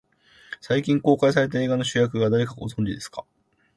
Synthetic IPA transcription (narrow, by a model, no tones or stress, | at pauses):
saikʲĩŋko̞ːkais̬aɾe̞t̪̬ae̞ːɡano̞ɕɨjak̬ɯ̟ɡad̪aɾe̞kaɡo̞̰zõ̞ɲ̟d͡ʑid̪e̞sɨ̥ka